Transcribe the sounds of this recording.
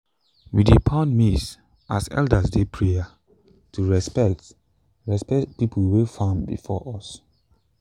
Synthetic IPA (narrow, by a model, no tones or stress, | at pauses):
widepʰãnmis | ʔasɛ̰ldəsdepʰɹia | tʰuɹɛspɛk̚t | ɹɛspɛt̚pipʰəlwifãmbḭfɔʔɔs